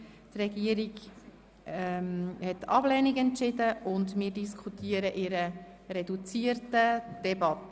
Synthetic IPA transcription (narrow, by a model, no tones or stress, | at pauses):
t̪rɛɡiəɾiɡ | ɛmhɛtːɑ̰blɛnɪɡɛntt͡ʃɪdəʔʊndmɪːɾdiskʰχutiːəɾəʔɪɾə | ɾɛdut͡siərtəd̥ɛbɑtːə